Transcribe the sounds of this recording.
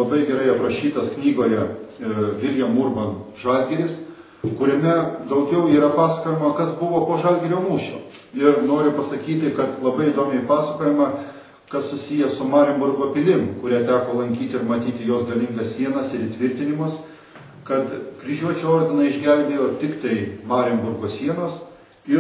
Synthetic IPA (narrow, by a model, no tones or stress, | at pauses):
lˠɐbɐɪɡʲɛɾɐɪɐprɐʃʲiːt̪ɐsknʲiːɡoːjɛ | ʋʲɪlʲjɛmʊrbɐnʒɐlʲɡʲɛɾʲɪs | kʊɾʲɛmʲɛd̪ɐʊɡʲɛʊiːɾɐpɑːsɐkoːjɛmɐkɐsbʊʋoːpoːʒɐlʲɡʲɛɾʲoːmuːʃʲo̰ːɪrnoːɾʲɪpɐsɐkʲiːt̪ʲɪkɐt̪lˠɐbɐɪɪd̪oːmʲɪpɑːsɐkoːjɪmɐ | kɐssʊsʲijɛsʊmɑːɾʲɪmbʊrɡoːpʲɪlʲɪmkʊɾʲæːt̪ʲæːkoːlˠɐŋʲkʲiːt̪ʲɪɪɾmɐt̪ʲiːt̪ʲɪjoːsɡɐlʲɪŋɡɐssʲiɛnɐsɪɾit̪ʲʋʲɪɾʲt̪ʲɪnʲɪmʊs | kɐt̪kɾʲɪʒʲuɔt͡ʃʲuoːrʲd̪ʲɪnɐɪʒʲɡʲɛlʲbʲeːjoːt̪ʲɪkt̪ɐɪmɑːɾʲɛmʲbʊrɡoːsʲiɛnoːs | ɪ